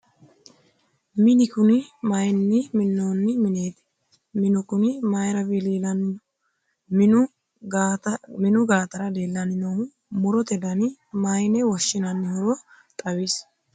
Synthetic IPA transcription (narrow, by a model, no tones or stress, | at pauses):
mɪnɪkʊnɪmɐjnːɪmɪnːoːnːɪmɪneːt̪ɛ̥ | mɪnʊkʊnɪmɐjɾɐviliːlɐnɪnɔ | mɪʊ | mɪnʊɡaːt̪ɐɾɐd̪e̞ːlːɐnɪno | mʊɾɔt̪ɛd̪ɐnɪmajnɛwɐʃːɪnɐnːɪhʊɾɔ | t̪ʼɐwis